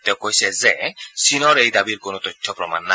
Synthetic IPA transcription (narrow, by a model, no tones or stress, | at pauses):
t̪ɛwkojsɛzesinɔɾejd̪abiɾkonot̪ɔjtʰːɔpɾɔma̰nːa